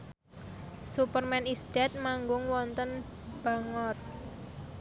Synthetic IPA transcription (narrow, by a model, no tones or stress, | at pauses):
supərmɛnist̪ɛt̪̚maŋɡʊŋwɔnt̪ən | b̥aŋɔt̪